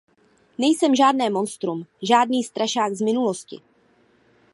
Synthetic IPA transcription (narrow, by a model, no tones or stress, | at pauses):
nɛjsɛmʒaːdnɛːmo̞nst̪ɾumʒaːdniːst̪ɾaʃaːkɡzmɪnuloscɪ̰